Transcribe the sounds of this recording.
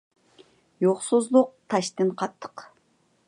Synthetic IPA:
joqsuzlˠuq̚t̪ʰɑʃt̪ɨnqʰɑt̪ʰːə̥q

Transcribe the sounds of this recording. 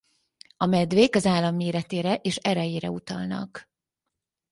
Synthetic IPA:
ɒmɛd̪veːkɒzaːlːɒmːeːɾɛt̪eːɾɛʔeːʃɛɾɛjeːɾɛ̰ut̪ɒ̰lnɒ̰k

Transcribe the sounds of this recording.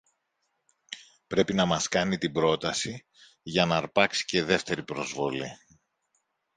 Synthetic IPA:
pɾe̞pinɐmɐskɐnit̪ibɾo̞t̪ɐsi | ʝɐnɐɾpɐksi̥ce̞ðe̞ft̪e̞ɾipɾo̞zvo̞li

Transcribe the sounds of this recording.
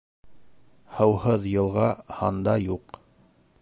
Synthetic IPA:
hɤ̆whɤðjɤ̆lˠʁɑhɑnd̪ɑjuq

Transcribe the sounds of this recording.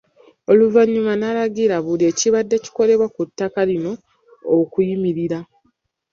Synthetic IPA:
o̞luvaɲːumanalaɡiɾaβulie̞ciβadːe̞ci̥ko̞le̞βwakutːakalino̞ː | kujimiɾiɾa

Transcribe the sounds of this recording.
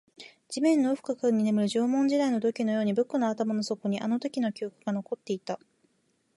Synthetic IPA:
d͡ʑimẽ̞nːoɯ̟ɸɯ̥kakaɯɲ̟ːine̞mɯ̟ɾɯ̟ʑoːmõ̞ɲ̟d͡ʑid̪aino̞d̪o̞kʲino̞jo̞ːɲ̟ibɯ̟kːɯnoat̪amano̞so̞ko̞ɲ̟iʔano̞t̪o̞kʲino̞kʲiokɯɡano̞ko̞t̪ːe̞it̪a

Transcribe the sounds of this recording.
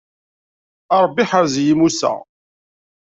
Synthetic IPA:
ɑɾˤbːiħaɾzjimusæ̰ʁ

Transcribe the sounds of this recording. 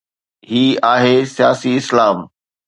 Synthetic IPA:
ɦiːaːɦesijaːsiɪslaːm

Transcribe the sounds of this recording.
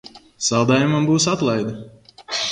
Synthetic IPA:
salˠd̪aːjumambuːsat̪lˠajd̪u

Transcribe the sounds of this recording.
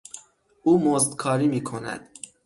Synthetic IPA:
ʔuːmozd̪kʰɒːɾiːmiːkʰonæ̰d̪̥

